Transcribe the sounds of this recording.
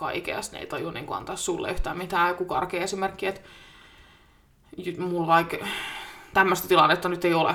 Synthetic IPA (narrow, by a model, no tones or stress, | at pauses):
kɑ̰ikḛɑst̪nḛit̪ɑjonḭːŋkoɑ̰nt̪ɑːssulːḛyht̪æːmmit̪æːkukɑ̰rkeːesimerkːiet̪ | ymulʋɑik | t̪æmːøst̪æt̪ilɑnːet̪ːɑnyt̪eiolḛ